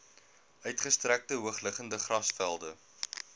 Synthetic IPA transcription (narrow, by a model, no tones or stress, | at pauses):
œɥtχəstræk̚təɦuəχləχəndəχrɐsfælˠdə